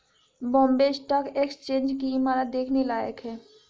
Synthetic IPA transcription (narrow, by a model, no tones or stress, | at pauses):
bɔ̃ːmbesʈakekst͡ʃẽːnd͡ʒkimaɾad̪eːkʰnelaːjə̰kɦɛː